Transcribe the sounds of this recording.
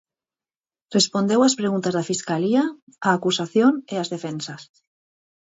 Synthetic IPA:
respond̪e̞waspɾeɣ̞unt̪azðafiskalia | aːkusaθjoneazðe̞fensas

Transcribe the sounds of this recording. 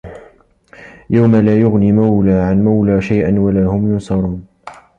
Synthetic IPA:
jawmalaːjʊɣniːmawlaːʕanmawlaːʃajʔanwalaːhʊmjʊnsˤɑɾˤuːn

